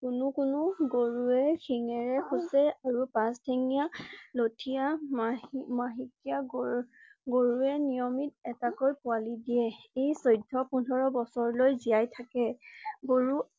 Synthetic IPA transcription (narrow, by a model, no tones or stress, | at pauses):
kʊnʊkʊnʊɡoɹuɛxʰiŋɛɹɛxusɛaɹupãstʰɛŋijalotʰija | maɦikija | ɡoɹuɛnijɔmit̚ɛtakojpʊalidiɛejsɔjdʱːɔpundʱɔɹɔbɔsɔɹlojzijajtʰakɛɡoɹu